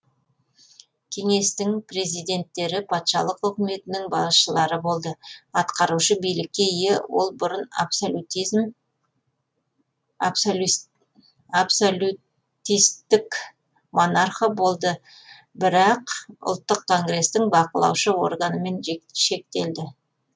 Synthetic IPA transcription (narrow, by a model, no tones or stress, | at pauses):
kʲʰe̞ŋe̞st̪ɪŋpre̞zijd̪e̞nt̪ːe̞ɾɪpʰɑt̪ʃɑ̰lˠəqʏkʲɪme̞t̪ɪnɪŋbɑʃəlˠɑɾəbo̞lˠd̪əɑt̪qɑɾuʃəbijlɪkʲːe̞ijewo̞lˠbʊɾən̰psout̪ | apsou | t̪ijst̪ːɪk | mo̞narχobo̞lˠd̪ə | bɪɾɑqʊ̰lˠt̪ːəqkːo̞ŋɡɾe̞st̪ɪŋbɑqəlˠɑ̰wʃəwo̞rɡɑnəme̞nʃe̞k̚t̪e̞ld̪ɪ